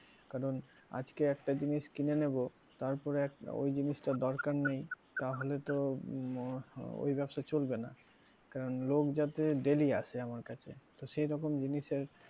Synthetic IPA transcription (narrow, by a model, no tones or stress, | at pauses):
kaɾon | a̰d͡ʑkeɛkʈad͡ʑiniʃkinenebo | t̪aɾpɔɾeɛko̰jd͡ʑiniʃʈad̪ɔɾkaɾnej | t̪aɦolet̪o | o̰jbɛbʃaet͡ɕolbena̰ | kaɾonlokd͡ʑat̪eɖeliat͡ɕʰeamaɾkat͡ɕʰḛt̪oʃejɾɔkomd͡ʑiniʃeɾ